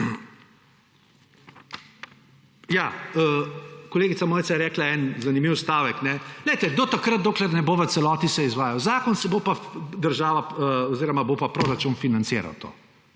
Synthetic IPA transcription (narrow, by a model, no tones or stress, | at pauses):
jaːəkoleːɡit̪samoːjt̪sajɛɾɛːklaɛnzanimiwst̪aːʋɛknɛlɛjt̪ɛɡd̪ot̪akɾət̪̚d̪oːklɛɾnɛboʋət̪sɛlɔːt̪isɛizʋaːjawzaːkɔnsɛbopad̪əɾʒaːʋaɔziːɾɔmabopapɾoɾat͡ʃunfinant̪sɪːɾa̰wt̪o̰ː